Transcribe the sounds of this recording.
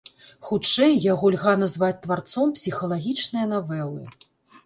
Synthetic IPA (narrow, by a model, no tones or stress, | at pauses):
xut͡ʂɛjːaɣɔlʲɣanazvat͡sʲt̪vart̪sɔmpsʲixɐlˠaɣʲit͡ʂnɨjɐn̪avɛlˠɨ̰